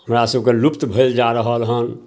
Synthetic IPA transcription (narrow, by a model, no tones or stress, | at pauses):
həmɾasəbkelʊpt̪bʱəld͡ʒaɾəɦəlɦən